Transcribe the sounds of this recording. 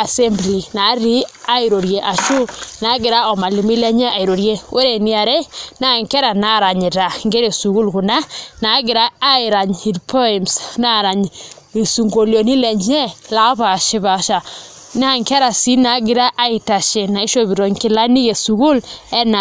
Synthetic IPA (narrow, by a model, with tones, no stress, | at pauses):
a˨se˦mbli˨na˨˦ɾi˦a˦i˨ɾo˨ɾje˨ʔa˨ʃu˦na˨˦ɡɪ˨ɾa˦ɔ˨ma˨li˨mi˦lɛ˦ɲɛ˦a˨i˨ɾo˨ɾje˦we˦ɾe˨ni˦a˨ɾe˦na˦˨ŋkɛ˦ɾa˨na˦˨ɾa˨ɲe˨ɾa˨ŋɡe˦ɾe˨su˨ɣu˦lku˨na˦na˨˦ɡɪ˨ɾa˦a˦ɪ˨ɾa˨ɲhi˨dpʰɔ˦i˨msna˦˨ɾa˨ɲ | i˨su˨ŋɡo˨ljo˨ni˦lɛ˨ɲɛ˦la˨ɔ˦βa˨ʃɪ˦βa˨ʃa˨ | na˦˨ŋkɛ˦ɾa˨si˦na˨˦ɡɪ˦ɾa˦ʔa˦i˨ta˨ʃe˨na˨i˦ʃo˦βi˨ɾo˨ɲki˦la˦ni˦ɣe˨su˨ɣu˦lɛ˦na˨